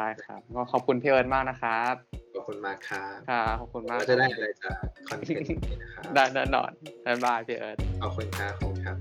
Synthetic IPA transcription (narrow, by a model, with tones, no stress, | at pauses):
t͡ɕʰaː˥˩jkʰɾa˦˥p̚kɔː˧˩kʰɔː˨˩p̚kʰu˧npʰiː˧˩ʔɤː˧˩t̪̚maː˥˩k̚na˦˥kʰa˦˥p̚kʰɔː˨˩p̚kʰu˧nmaː˥˩kʰːa˦˥kʰa˦˥˩ɔː˨˩p̚kʰu˧nmaː˥˩˧t͡ɕa˨˩daː˥˩jʔa˧ɾa˧jt͡ɕaː˨˩ɔ˧˩n˩iː˨na˦˥kʰa˦˥daː˥˩jna˥˩nːɔ̰ː˧˩nːa˧˩baː˧˩pʰiː˧˩ʔɤː˧˩t̪̚ʰa˧˩kʰu˧nkʰaː˧˥˩kʰɔ˨u˧nkʰa˦˥p̚